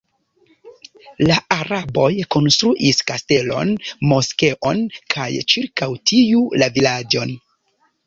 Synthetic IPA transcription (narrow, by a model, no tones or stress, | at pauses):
laaɾabo̞jko̞nstɾuʔiskaste̞lo̞̰nmo̞ske̞ʔo̞̰nkʰa̰jt͡ʃiɾkawtʰiulavilad͡ʒo̞n